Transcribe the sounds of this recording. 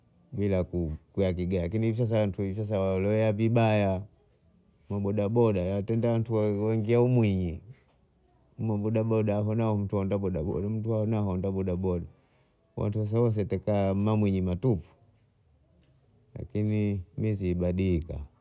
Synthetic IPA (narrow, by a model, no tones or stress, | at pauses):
bilakukujak̬iɡalakiniivis̬as̬awantʰuivis̬as̬awalɔwɛavibaja | mabɔɗabɔɗajawtɛndawantuwɛŋɡiaumwiɲi | m̩mabɔɗabɔɗaɦɔnaɔm̩tuɔndabɔɗaɓɔ̰dam̩tuahɔnahɔndabɔɗabɔɗa | wa̰ntuas̬awɔs̬ɛtakammamwiɲimatupu̥ | la̰kinimiziːbaɗika̰